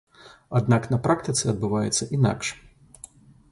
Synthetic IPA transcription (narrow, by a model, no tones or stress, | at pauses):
ad̪naknɐpɾakt̪ɨt̪sɨɐd̪bɨvajɛ̰t̪sːɐʔina̰kʂ